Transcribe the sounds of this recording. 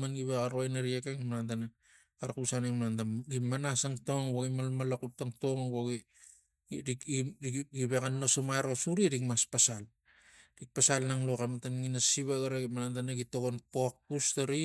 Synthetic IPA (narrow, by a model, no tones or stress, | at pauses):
manɡiβekaɾojnaɾiekeŋmaɾantana | aɾakusaneŋmaɾantaɡimanasaŋtoŋwoɡimalmalakutaŋtoŋwoɡi | ɾi | ɡiβekanːosomajɾosuɾiɾikmaspasal | ɾik̚pasalnaŋlokamatanŋinasiβaɡaɾaimaɾantanaɡitoɡonpok̚pustaɾi